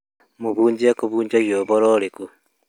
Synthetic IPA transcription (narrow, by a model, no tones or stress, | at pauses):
muβuːɲd͡ʒekoβuːɲd͡ʒaɣjoβoɾoɾeku